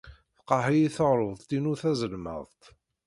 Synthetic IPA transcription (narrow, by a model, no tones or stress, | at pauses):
θə̥qːɑhijiθəʁɾˤoðˤt̪inuθæzəlmə̰ðˤt̪